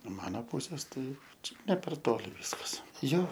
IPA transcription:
ˈmɑːnoː ˈpuːsʲeːs ˈtɐɪ ˈt͡ʃʲɛ nʲɛ pʲɛr ˈtoːlʲɪ ˈʋʲɪskɐs ˈjoː

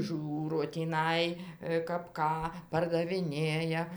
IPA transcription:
ˈʒʲuːroː tʲiːˈnɐɪ kɐp ˈkɑː pɐrdɐʋʲɪˈnʲeːjɛ

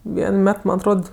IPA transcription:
ˈʋʲiɛn ˈmʲɛt ˈmɐn ɐtˈroːt

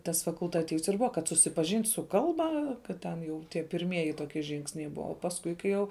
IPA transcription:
tɐs fɐkʊlˠtɐˈtʲiːws ɪr ˈbʊʋɐ kɐt sʊsʲɪpɐˈʒʲɪnʲtʲ sʊ ˈkɐlˠbɐ kɐt ˈtʲɛn jɛʊ tʲiɛ pʲɪrʲˈmʲiɛjɪ ˈtoːkʲiɛ ˈʒʲɪŋksʲnʲɛɪ ˈbʊɐ oː pɐsˈkʊɪ kɐɪ ˈjɛʊ

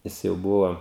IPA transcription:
ˈjɪs jɛʊ ˈbʊʋoː

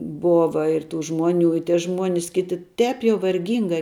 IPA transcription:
ˈboːʋɐ ɪr tuː ˈʒmuɔˌnʲuː ɪ tʲiɛ ˈʒmuɔnʲɪs ˈkʲɪtʲɪ ˈtʲɛːp jɛʊ ʋɐrʲˈɡʲiːŋɡɐɪ

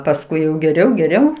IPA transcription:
pɐsˈkʊɪ jɛʊ ɡʲɛˈrʲɛʊ ɡʲɛˈrʲɛʊ

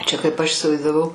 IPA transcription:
ˈt͡ʃʲɛ kɐɪp ˈɐʃ ɪsʲɪʋɐɪzdɐˈʋɐʊ

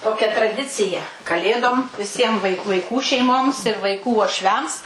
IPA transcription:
ˈtoːkʲɛ trɐˈdʲɪt͡sʲɪjɛ kɐˈlʲeːdoːm ʋʲɪˈsʲiɛm ʋɐɪk ʋɐɪˈkuː ʋɐɪˈkuː ʃʲɛɪˈmoːms ɪr ʋɐɪˈkuː uɔʃʲˈʋʲɛms

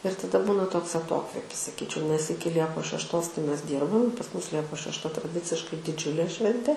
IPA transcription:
ɪr tɐˈdɐ ˈbuːnɐ ˈtoːks ɐˈtoːkʋʲeːpʲɪs sɐˈkʲiːt͡ʃʲɛʊ nʲɛs ˈɪkʲɪ ˈlʲiɛpoːs ʃʲɛʃˈtoːs tɐɪ ˈmʲɛs ˈdʲiːrbɐm pɐs ˈmʊs ˈlʲiɛpoːs ʃʲɛʃˈtɐ trɐˈdʲɪt͡sʲɪʃkɐɪ dʲɪˈd͡ʒʲʊlʲeː ˈʃʲʋʲɛnʲtʲeː

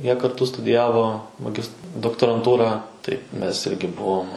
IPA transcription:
ˈjiɛ kɐrˈtʊ stʊdʲɪˈjæːʋoː mɐˈɡʲɪst doːktoːrɐnˈtuːrɑː tɐɪ ˈmʲɛs ˈɪrʲɡʲɪ ˈbʊʋoːm

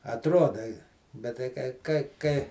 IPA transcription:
ɐtˈroːdɐ ɪ bʲɛt tɐɪ ˈkɐɪ kɐɪ ˈkɐɪ

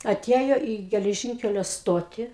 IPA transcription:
ɐˈtʲiɛjoː iː ɡʲɛlʲɛˈʒʲɪŋʲkʲɛlʲoː ˈstoːtʲiː

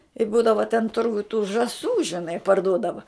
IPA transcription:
ɪ ˈbuːdɐʋɐ tʲɛn ˈtʊrɡʊj tuː ʒɐˈsuː ʒʲɪˈnɐɪ pɐrˈduɔdɐʋɐ

